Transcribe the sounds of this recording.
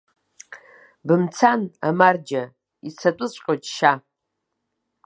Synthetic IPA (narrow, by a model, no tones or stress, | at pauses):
bɨmt͡sʰanamard͡ʒa | it͡sʰatʷʼʊɨsʷʼqʲʼotʼʃa